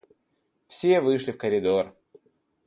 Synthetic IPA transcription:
fsʲe̞vɨʂlʲɪfkəɾʲɪd̪or

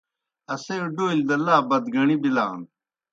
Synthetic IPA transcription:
ɐseoɖoːild̪ɐlaːbɐd̪ɡɐɳibila̰ːn

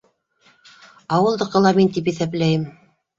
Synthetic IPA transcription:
ɑwɤ̆lˠd̪ɤ̆qɤ̆lˠɑmint̪ip̬iθæplæjɘm

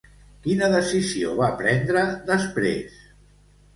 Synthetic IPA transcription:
kinəðəsizio̰βapɾɛnd̪ɾəðəspɾḛs

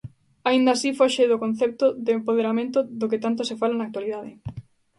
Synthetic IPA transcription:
aind̪asifoʃeðʊkõn̟θɛp̚t̪ʊðeːmpoð̞eɾamẽnt̪ʊðʊkɪt̪ant̪̬ʊsɪfalanak̚t̪waliðaðɪ

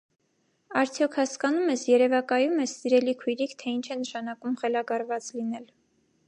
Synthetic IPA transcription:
ɑɾt͡sʰjɔkʰhɑskɑnumɛsjɛɾɛvɑkɑjumɛsːiɾɛlikʰujɾikʰt̪ʰɛint͡ʃʰɛnəʃɑn̪ɑkumχɛlɑɡɑɾvɑt͡slin̪ɛl

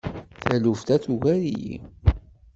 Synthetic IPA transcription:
θæluft̪æθuʝæɾḭjḭ

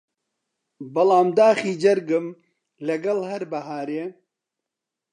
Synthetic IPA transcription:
bɐlaːmd̪aːxiːd͡ʒɐɾɡɨm | lɐɡɐlhɐɾbɐɦaːɾe

